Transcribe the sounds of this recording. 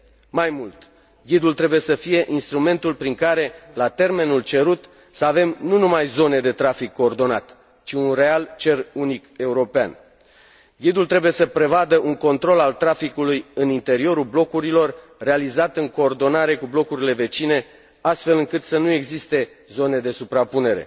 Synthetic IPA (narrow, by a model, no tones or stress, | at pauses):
majmult̪ | ɡʲid̪ult̪ɾe̞buje̞səfije̞ʔinst̪ɾume̞nt̪ulpɾiŋkaɾe̞lat̪e̞rme̞nult͡ʃe̞ɾut̪ | səave̞mnunumajzo̞ne̞d̪e̞t̪ɾafikʰːo̞ːrd̪o̞na̰t̪ | t͡ʃiunre̞alt͡ʃe̞runike̞uɾo̞pea̰n | ɡʲid̪ult̪ɾe̞buje̞səpɾe̞vad̪əʔuŋko̞nt̪ɾo̞lalt̪ɾafikulujɨnint̪e̞ɾio̞ɾulblo̞kuɾilo̞rː | e̞alizat̪ɨŋko̞ːrd̪o̞naɾe̞kublo̞kuɾile̞ve̞t͡ʃine̞ | ast̪fe̞lɨŋkɨt̪sənue̞ɡzist̪e̞ | zo̞ne̞d̪e̞supɾapune̞ɾe̞̰